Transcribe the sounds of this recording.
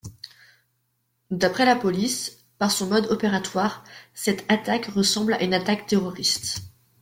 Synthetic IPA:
d̪apχɛlapɔlis | paʁsɔ̃mɔd̪ɔpeʁat̪waʁsɛt̪at̪akʁəsɑ̃bla̰ʔynat̪akt̪eʁɔʁist̪

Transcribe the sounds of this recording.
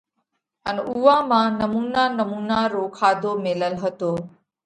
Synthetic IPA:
ənuːãːmãːnəmuːnaːnəmuːnaːɾoːkʰaːd̪ʱoːmɪləlɦət̪oː

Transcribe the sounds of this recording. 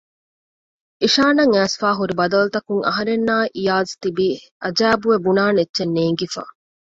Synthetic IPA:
iʃaːnɐŋæːsfaːɦuɾibɐd̪ɐlut̪ɐkuŋɐ̰ɦɐɾenːaːʔijaːzt̪ibi | ʔɐd͡ʒæːbuʋebunaːnetːʃenːeːŋɡifa̰ː

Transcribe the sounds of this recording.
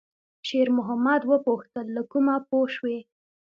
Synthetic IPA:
ʃeɾmʊɦamad̪wəpoxt̪əlːakumapoʃwe

